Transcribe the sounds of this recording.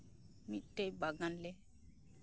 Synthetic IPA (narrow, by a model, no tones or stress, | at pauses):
mitːejbaɡanlɛ